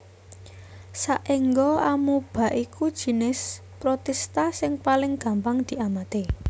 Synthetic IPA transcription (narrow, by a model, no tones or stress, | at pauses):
saʔeŋɡɔamub̥ä̤ʔikud̥ʒ̥i̤nɪs | pɾot̪ɛst̪asɪŋpalɪŋɡ̥a̤mpaŋd̪̥i̤amat̪e